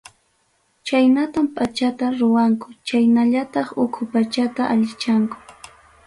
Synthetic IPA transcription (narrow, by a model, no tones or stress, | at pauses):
t͡ʃajnat̪ampat͡ʃat̪aɾʊwaŋkʊ̥t͡ʃajnaʎat̪ɑχʊkʰʊpat͡ʃat̪aʔaʎɪt͡ʃaŋkʊ̥